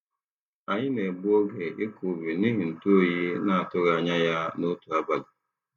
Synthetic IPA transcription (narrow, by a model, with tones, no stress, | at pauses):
a˨ɲɪ˦ne˨bʊ˦o˦ɡe˨ʔɪ˦ku˨bi˨ni˦ɦi˨n̩˨tu˦o˦ji˦na˨a˨tʊ˦ɾa˨a˨ɲa˦ja˦no˦tu˨a˦ba˨da˨